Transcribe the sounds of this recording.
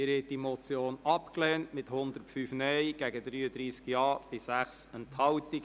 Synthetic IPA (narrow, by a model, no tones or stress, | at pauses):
ɪɾɛt̚dimɔt͡sjoːnɑpklɛːntmɪthʊnd̪əɾtfyːfnɛjɡ̥æɡədɾyːədɾiːskjɑːb̥ɪsæχsənthɑltɪk